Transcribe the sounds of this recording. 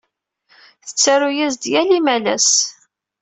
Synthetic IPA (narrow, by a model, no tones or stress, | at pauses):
θət͡sːaɾujæzd̪jælimælæ̰s